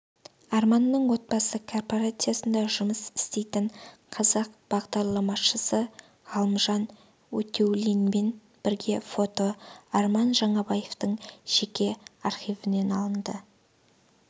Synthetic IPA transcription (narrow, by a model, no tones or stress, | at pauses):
ɑrmɑnːəɴwo̞t̪̚bɑsəkʰo̞rpoɾat̪sɨjasənd̪ɑʒʊməsɪ̥st̪e̞jt̪ɪɴqʰɑzɑqb̥ɑʁd̪ɑɾlˠɑmɑʃəsə | ʁɑlˠmʒɑn | wɵt̪e̞wlinme̞n | b̥ɪɾɡʲe̞fo̞t̪o̞ɑɾmɑnʒɑɴɑbɑje̞ft̪əɴʒ̥e̞kʲe̞ɑɾχijvɪne̞nɑlˠənd̪ə